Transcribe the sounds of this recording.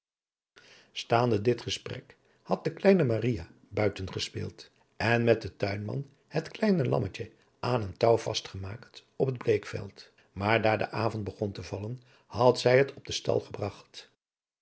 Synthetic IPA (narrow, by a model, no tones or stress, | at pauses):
staːndədɪtχəsprɛk | hɑt̚dəklɛjnəmarija | bœɥtənχəspɪ̰ːlˠt | ɛnmɛt̚dətœɥnmɑ̰n | hətklɛjnəlɑ̰mət͡ʃə | ʔaːnəntɑwv̥ɑ̰stχəmaːktɔpəd̚blejkfɛ̰lˠt | maːɹdaːɹdə̰ʔaːvɔnt̚bəχɔntəvɑlən | hɑtzɛjɦətʰɔb̚dəstɑ̰lˠχəbrɑχt